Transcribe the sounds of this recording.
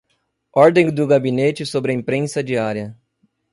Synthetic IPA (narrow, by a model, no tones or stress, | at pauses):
ɔɾd̪ẽd̪ʊɡabinet͡ʃɪsobɾɪɐẽmpɾẽsɐd͡ʒiaɾiɐ